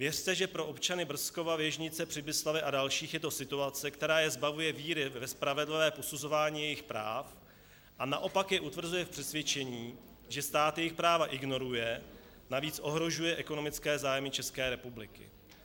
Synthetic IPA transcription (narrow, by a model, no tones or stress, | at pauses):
vjɛrt̪ɛʒɛpɾo̞ʔo̞pt͡ʃanɪbr̩sko̞vavjɛʒɲɪt͡sɛpr̥ɪbɪslavjɛʔadalʃiːxjɛt̪o̞sɪt̪uat͡sɛkt̪ɛɾaːjɛzbavujɛviːɾɪvɛspɾavɛdlɪvɛːpo̞suzo̞vaːɲiːjɛjɪxpɾaːf | ʔanaʔo̞pakjɛʔut̪vr̩zujɛfpr̥ɛsvjɛt͡ʃɛɲiː | ʒɛst̪aːt̪jɛjɪxpɾaːvaʔɪɡno̞ɾujɛ | naviːt͡sʔo̞ɦɾo̞ʒujɛʔɛko̞no̞mɪt͡skɛːzaːjmɪt͡ʃɛskɛːɾɛpublɪkɪ̰